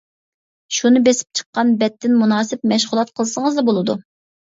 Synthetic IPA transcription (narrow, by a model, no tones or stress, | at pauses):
ʃunɨbesɪ̥p̚t͡ʃʰə̥qːɑnbɛt̪ʰːɪnmunɑːsɪp̚mɛʃʁulˠɑt̪̚qʰəlˠɨsəŋəzd̪ɑbolˠɨd̪u